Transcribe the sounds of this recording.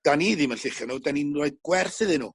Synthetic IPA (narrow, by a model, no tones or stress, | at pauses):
d̥aniðɪmənɬɪχjanudaninɔɨð̚ɡ̥wɛrθɨðɨnṵː